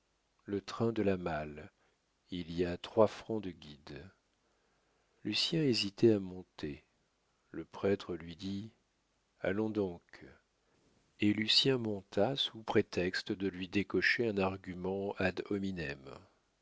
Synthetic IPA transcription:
lət̪χɛ̃d̪əlamal | iliat̪χwafχɑ̃d̪əɡʲid̪ | lysjɛ̃ezit̪ɛamɔ̃t̪e | ləpχɛt̪χəlɥid̪i | a̰lɔ̃d̪ɔ̃k | elysjɛ̃mɔ̃t̪ʰasupχet̪ɛkst̪əd̪əlɥid̪ekɔʃeɛ̃naʁɡʲymɑ̃ad̪ɔminɛm

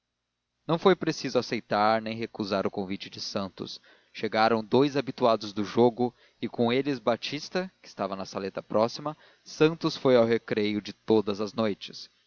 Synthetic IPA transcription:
nɐ̃w̃fojpɾesizʊasejt̪aɾnẽj̃ɦekuzaɾʊkõvit͡ʃɪd͡ʒɪsɐ̃nt̪ʊ̰s | ʃeɡaɾɐ̃w̃d̪ojzabit̪uad̪ʊzd̪ʊʒoɡʊ | ɪkõelɪzbat͡ʃist̪ɐkɪst̪avɐnɐsalet̪ɐpɾɔsimɐ | sɐ̃nt̪ʊsfojawɦekɾejʊd͡ʒɪt̪od̪ɐzɐznojt͡ʃɪ̥s

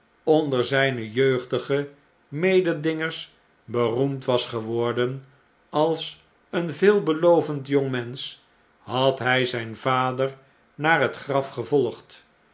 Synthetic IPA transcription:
ɔndəɹzɛjnəjøɥχdəχə | mejdədɪŋəɹs | bərumtʋɑsχəʋɔɹdən | ɑlˠs | ənvɪːlˠbəlowvəntjoŋmɛns | hɑtɦɛjzɛjnvaːdər | naːrɦətχrɑfχəvɔlˠχt

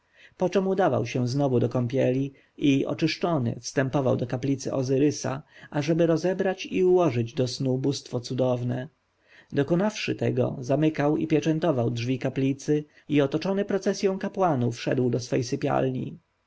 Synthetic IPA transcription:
pɔt͡ʂɛmud̪ava̰wɕɛ̃znɔvud̪ɔkɔmpʲjɛlʲi | iɔ̰t͡ʂɘʂt͡ʂɔnɘ̰fst̪ɛmpɔvawd̪ɔkaplʲit̪sɘ̰ʔɔ̰zɘɾɘsa̰aʐɛbɘɾɔzɛbɾat͡ɕiuwɔʐɘd͡ʑd̪ɔsnubust̪fɔt̪sud̪ɔvnɛ | d̪ɔkɔnafʂɘ̰t̪ɛɡɔ̰zamɘkawḭpʲjɛt͡ʂɛnt̪ɔvawdʐvʲikaplʲit̪sɘ | iɔt̪ɔt͡ʂɔnɘpɾɔt̪sɛsʲjɔ̃w̃kapwanufʂɛ̰d̪wd̪ɔsfɛjsɘpʲja̰lɲḭ

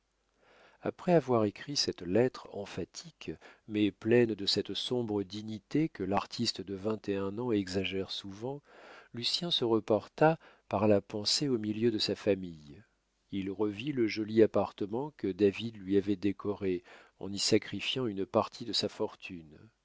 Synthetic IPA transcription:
a̰pχɛavwaʁekχisɛt̪lɛt̪χɑ̰̃fat̪ʰikmɛplɛnd̪əsɛt̪sɔ̃bʁəd̪iɲit̪ekəlaʁt̪ʰist̪d̪əvɛ̃t̪eɛ̃nɑ̃ɛɡzaʒɛʁsuvɑ̃lysjɛ̃səʁəpɔʁt̪apaʁlapɑ̃seomiljød̪əsafamij | ilʁəviləʒɔliapaʁt̪əmɑ̃kəd̪avid̪lɥiavɛd̪ekʰɔʁeɑ̰̃nisakχifjɑ̃ynpaʁt̪ʰid̪əsafɔʁt̪ʰyn

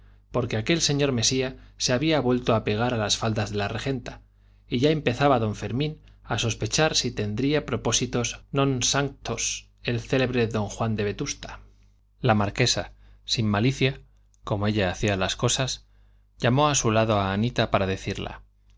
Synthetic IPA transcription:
po̞ɾke̞ake̞lse̞ɲo̞ɾme̞siaseaβiaβwe̞lt̪oape̞ɣ̞aɾalasfald̪azðe̞lare̞xe̞nt̪a | iʝae̞mpe̞θaβaðo̞ɱfe̞ɾmĩnaso̞spe̞t͡ʃaɾsit̪e̞nd̪ɾiapɾo̞po̞sit̪o̞znõ̞nsaŋt̪os | e̞lθe̞le̞βɾeðo̞ŋxwand̪e̞βe̞t̪ust̪ḁ | lamaɾke̞sasimːaliθja | ko̞moe̞ʎaːθialasko̞sas | ʝamo̞asulaðo̞aːnit̪apaɾaðe̞θiɾla̰

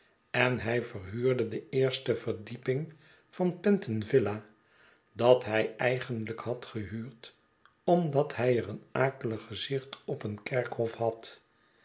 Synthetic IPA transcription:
ɛnɦɛjvərɦyːɹdədəeːɹstəvəɹdipɪŋ | v̥ɑnpɛntənvɪla | dɑtɦɛjɛjχənləkhɑtχəɦyːɹt | ɔmdɑthɛjərənaːkələχəzɪχtɔpənkɛɹkɦɔfhɑt

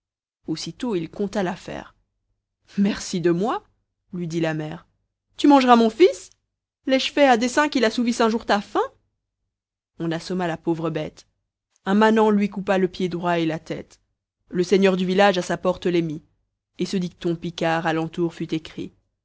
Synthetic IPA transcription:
osit̪oilkɔ̃t̪alafɛ̰ːʁ | mɛʁsid̪əmwa | lɥid̪ilamɛːʁ | t̪ymɑ̃ʒʁamɔ̃fis | lɛʒfɛɛ̃d̪esɛ̃kʲilasuvisɛ̃ʒuʁt̪afɛ̃ | ɔ̃nasɔmalapovʁəbɛt̪ | ɛ̃manɑ̃lɥik̬upaləpjed̪ʁwaelat̪ɛ̰t̪ | ləsɛɲœʁd̪yvilaʒasapɔʁt̪əlɛmi | esəd̪ik̚t̪ɔ̃pikaʁalɑ̃t̪uʁfyt̪ekχḭ

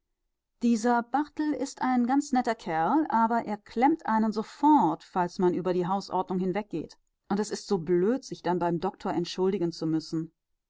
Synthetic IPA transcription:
d̥iːzɐbaʁtl̩ɪstʔaɪnɡant͡snɛtɐkʰɛɐlʔaːbɐʔeːɐkʰl̥ɛmtʔaɪnənzofɔɐtfalsmanʔyːbɐɾiːɦaʊsʔɔ̰ɐdnʊŋhɪnvɛk̚ɡ̥ḛːt | ʔʊntɛsɪstz̥oːbløːtz̥ɪçd̥anbaɪmdɔk̚tʰoːɐʔɛntʃʊldɪɡənt͡sumʏsn̩

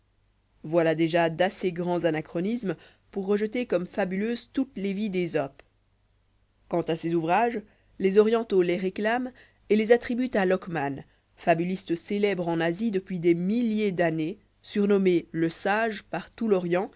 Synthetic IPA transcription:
vwalad̪eʒad̪aseɡʁɑ̃zanakχɔnism | puʁːəʒət̪ekɔmfabyløːzt̪ut̪levid̪ezɔp | kɑ̃t̪asezuvʁaʒ | lezɔʁjɑ̃t̪oleʁeklam | elezat̪χibyt̪alɔkman | fabylist̪əselɛbʁɑ̃nazid̪əpɥid̪emiljed̪ane | syʁnɔmeləsaʒpaʁt̪ulɔʁjɑ̃

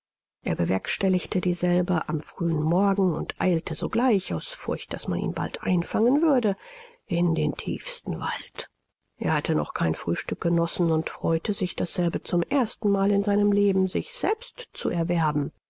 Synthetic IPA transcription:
ʔeːɐbəvɛɐkʃtɛlɪçtədiːzɛlbəʔamfʁ̥yːənmɔɐɡŋ̩ʊntʔa̰ɪltʰəzoːɡlaɪçaʊsfʊɐçt̚d̥asmanḭːnba̰ltʔa̰ɪ̃nfaŋənvʏɐdə | ɪn̩deːntʰḭːfstn̩va̰lt | ʔeːɐhatʰənɔ̰χkʰaɪnfʁ̥yːʃtʏk̚ɡ̥ənɔsn̩ʊntfʁ̥ɔʏtəzɪçd̥asz̥ɛlbət͡sʊmʔeːɐstn̩maːlɪnzaɪnəmleːbm̩zɪçz̥ɛlpstt͡suʔɛɐvɛɐbm̩

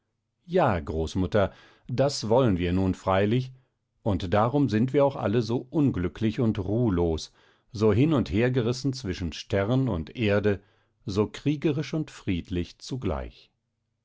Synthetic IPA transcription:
jaːɡʁoːsmʊtɐ | dasvɔlənviːɐnuːnfʁ̥aɪlɪç | ʔʊntd̥aːʁʊmzɪntv̥iːɐaʊxʔa̰ləzoːʔʊnɡlʏkʰlɪçʊntʁuːloːs | zoːɦɪnʊntheːɐɡəʁɪsn̩t͡sv̥ɪʃn̩ʃtʰɛʁnʊ̰ntʔeːɐdə | zoːkʁ̥iːɡəʁɪʃʊntfʁ̥iːtʰlɪçt͡suɡla̰ɪç

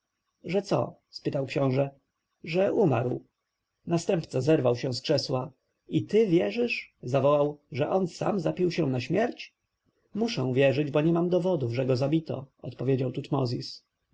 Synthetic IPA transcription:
ʐɛt̪sɔ̰ | spɘt̪awkɕɔ̃w̃ʐɛ | ʐɛʔuma̰ɾw | nast̪ɛmpt̪sazɛɾvawɕɛ̃w̃skʂɛswa | it̪ɘvʲjɛʐɘʂzavɔwawʐɛʔɔnsa̰mzapʲiwɕɛ̃naɕmʲjɛɾt͡ɕ | muʂɛ̃w̃vʲjɛʐɘd͡ʑbɔɲɛmamd̪ɔvɔd̪uvʐɛɡɔzabʲit̪ɔ̰ɔ̰t̪pɔvʲjed͡ʑawt̪ut̪mɔzʲis

